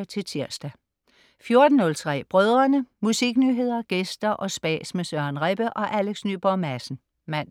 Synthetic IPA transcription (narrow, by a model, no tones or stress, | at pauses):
t͡sʰe̝lt͡sʰiɐsd̥æ | fjo̝ɐd̥n̩nːɔ̽lt͡sʰʁɛ̰ːb̥ʁœð̞ˠʁɐnəmusiɡ̥nyɦe̝ð̞̰ˠɐɡ̥esd̥ɐʔɒ̽sb̥ɛ̰ːsmesɶɐnʁeb̥əʔɒ̽ʔæleɡ̥sny̰ːb̥ɒmæsn̩ | mæn̰